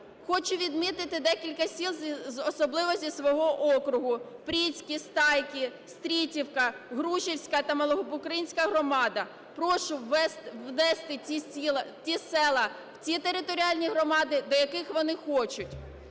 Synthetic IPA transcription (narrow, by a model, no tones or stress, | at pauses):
xɔt͡ʃʊʋʲid̪mɪt̪ɪt̪ɪd̪ɛkʲilʲkɐsʲilˠzzɔsɔblˠɪʋɔsʲisʋɔɦɔʔɔkɾʊɦʊpɾʲit͡sʲkʲist̪ɑjkʲist̪ɾʲitʲiwkɐɦɾuʃiwsʲkɐt̪ɐmɐlˠɔɦɔbʊkɾɐinʲsʲkɐɦrɔmɑd̪ɐ | pɾɔʃʊɛst̪ʋnɛst̪ɪiilˠɐtʲisɛlˠɐ | w̥t͡sʲit̪eɾɪt̪ɔɾʲiɑlʲnʲiɦɾɔmɑd̪ɪd̪ɔjɐkɪxʋɔnɪxɔt͡ʃʊtʲ